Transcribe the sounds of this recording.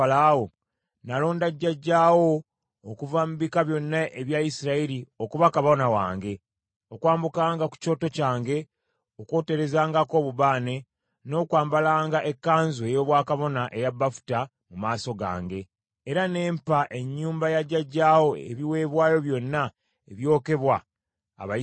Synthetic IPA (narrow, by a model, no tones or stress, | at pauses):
alawo | nalo̞ːndaɟːaɟːaːwo̞ː | kuvamuβikaβjo̞nːaʔeβjaisiɾaiɾio̞kuβakaβo̞nawa̰ːŋɡe̞ | o̞kwaːmbukaːŋɡaku̥co̞ːto̞caːŋɡe̞ | okwo̞ːte̞ɾe̞zaːŋɡako̞ːβuβaːne̞ | no̞ːkwaːmbalaːŋɡaʔe̞kːaːnzue̞jo̞ːβwaːkaβo̞naʔejabːafu̥ta | mumaːso̞ɡa̰ːŋɡe̞ː | ɾane̞ːmpaʔe̞ɲːuːmbajaɟːaɟːaːwo̞ḛβiwe̞ːβwaːjo̞βjo̞nːa | eβjo̞ːke̞βwa̰ː | βa